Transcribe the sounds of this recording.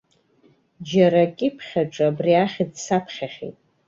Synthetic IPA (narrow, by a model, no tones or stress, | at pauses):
d͡ʒaɾakʲʼɪpʰχʲaʈ͡ʂʼabriaχʲidsapʰχʲaχʲḭtʼ